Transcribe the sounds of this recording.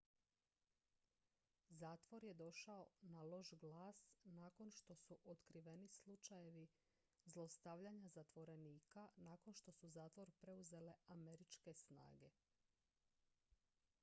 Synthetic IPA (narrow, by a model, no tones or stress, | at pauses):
zaːt̪ʋo̞ɾje̞d̪o̞ʃao̞nalo̞ʒɡlaːsnaːko̞nʃt̪o̞suʔot̪kɾiʋe̞nislˠut͡ʃaje̞ʋi | zlˠo̞st̪aʋʎaɲazat̪ʋo̞ɾe̞niːkanaːko̞nʃt̪o̞suzaːt̪ʋo̞ɾpɾe̞uze̞le̞ame̞ɾit͡ʃke̞sna̰ːɡe̞